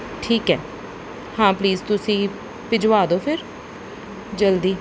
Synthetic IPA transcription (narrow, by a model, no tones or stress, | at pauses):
ʈʰiːkɦɛː | hãːpliːzt̪ʊsĩː | pɪd͡ʒʋaːd̪oːpʰɪɾ | d͡ʒəld̪iː